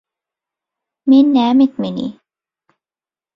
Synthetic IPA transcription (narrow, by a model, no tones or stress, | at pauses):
minːæːmɪt̪mɪnḭ